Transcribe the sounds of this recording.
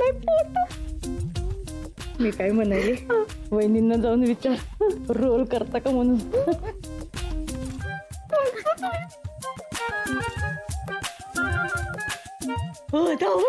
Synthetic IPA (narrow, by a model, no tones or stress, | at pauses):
lapot̪a | miːkajm̤ənajle | ʋəjninːad͡zaunʋit͡ɕaɾɾolkəɾt̪akam̤əɽ̃uːn | od̪a